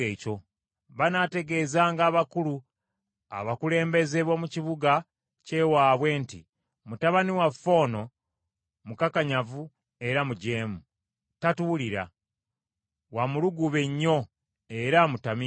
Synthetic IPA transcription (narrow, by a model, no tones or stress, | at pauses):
eːt͡ʃo̞ | βanate̞ɡe̞ːzaːŋɡaːβakulu | a̰βakule̞ːmbe̞ze̞βwomuciβuɡa | ce̞waːβwe̞ːntḭ | mutaβaniwafo̞ːno̞ | mukakaɲavu | e̞ɾamuɟe̞ːmu | tatuliɾa̰ | wamuluɡuβe̞ɲːo̞ | e̞ɾamutami